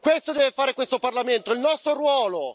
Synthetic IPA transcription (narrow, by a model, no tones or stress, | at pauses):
kwest̪od̪ɛːvefaːɾekwest̪oparlament̪oilnɔst̪ɾoɾwɔːlo